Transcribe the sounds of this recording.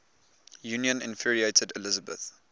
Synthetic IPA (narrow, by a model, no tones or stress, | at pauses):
juːnjə̃nɪ̰̃nfiɹieɪtʰədɪlɪzəbə̰θ